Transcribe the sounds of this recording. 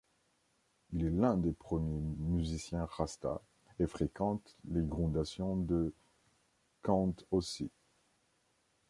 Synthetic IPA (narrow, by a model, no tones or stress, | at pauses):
ilɛlɛ̃d̪epχəmjemyzisjɛ̃ʁast̪a̰ | efχekɑ̃t̪leɡʁɔ̃d̪asjɔ̃d̪ə | kɑ̃t̪osi